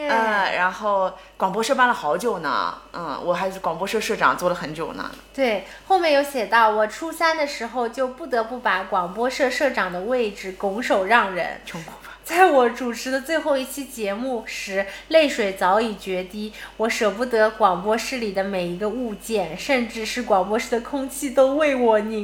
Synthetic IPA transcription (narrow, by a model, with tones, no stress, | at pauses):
ə˥˧ɻa˧˥nxo˥˩ʊ | kwɑ˨˩ŋp̬wɔ˥ʂɤ˥˧pa˥˩nlə˩xɑ˧˥ʊt͡ɕjo˨˩ʊnə̰˦n̩˥˩wʔɔ̰˨˩xa˧˥ɪ˥˩kwɑ˨˩ŋpwɔ˥ʂɤ˥˧ʂɤ˥˩ʈ͡ʂɑ̰˨˩ŋt͡swɔ˥˩lə˩xə˧˥nt͡ɕjo˨˩ʊnə̰˧˦t̪we˥˩ɪ | xo˥˧ʊmjɛ˥˩jo˧˥ʊɕjɛ˨˩t̪ɑ˥˩ʊwɔ˨˩ʈ͡ʂʰu˥sa˥nd̪ə˨ʂɻ̩˧˥xo˧ʊt͡ɕjo˥˧ʊpu˥˩t̪ɤ˧˥pu˥˩pa˧˥kwɑ˨˩ŋpwɔ˥ʂɤ˥˧ʂɤ˥˩ʈ͡ʂɑ˨˩ŋd̪ə˦we˥˩ɪʈ͡ʂɻ̩˨˩kʊ˧˥ŋʂo˨˩ʊɻɑ˥˩ŋɻə̰˧˥n˧˥˧ | t͡sa˥˩ɪwɔ˧˥ʈ͡ʂu˨˩ʈ͡ʂʰɻ̩˧˥d̪ə˧t͡swe˥˧ɪxo˥˧ʊi˥˩t͡ɕʰi˥t͡ɕjɛ˧˥mu˥˩ʂɻ̩˧˥le˥˩ɪʂwe˨˩ɪt͡sɑ˧˥ʊi˨˩t͡ɕɥɛ˧˥t̪i˥wɔ˧˥ʂɤ˨˩pu˥˩t̪ɤ˧˥kwɑ˨˩ŋpwɔ˥ʂɻ̩˥li˨˩d̪ə˦me˨˩ɪi˧˥ɡə˧u˥˧t͡ɕjɛ˥˩nʂə˥˧nʈ͡ʂɻ̩˥˧ʂɻ̩˥˩kwɑ˨˩ŋp̬wɔ˥ʂɻ̩˥˩d̪ə˨˩kʰʊ˥ŋt͡ɕʰi˥˧t̪o˥ʊwe˥˩ɪwɔ˨˩ni˨˩˦